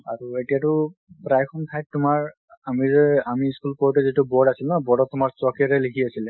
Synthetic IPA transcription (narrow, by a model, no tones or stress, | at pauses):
aɹuetijatʊpɹajkʰɔntʰaj̚tʊmaɹ | amizɛamiskulpɔɹtɛzitubɔdasilnɔbɔdɔtːʊmaɹsɔkiɾɛlikʰiasilɛ